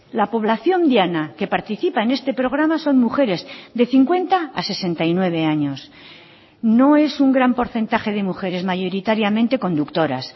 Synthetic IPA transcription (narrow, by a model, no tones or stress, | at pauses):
lapo̞β̞laθjo̞nd̪janake̞paɾt̪iθipaene̞st̪e̞pɾo̞ɣ̞ɾamaso̞nmuxe̞ɾe̞zðe̞θiŋkwe̞nt̪aase̞se̞nt̪ajnwe̞β̞e̞aɲo̞s | no̞e̞suŋɡɾampo̞ɾθe̞nt̪axe̞ðe̞muxe̞ɾe̞zmaʝo̞ɾit̪aɾjamẽ̞nt̪e̞ko̞nd̪ukt̪o̞ɾa̰s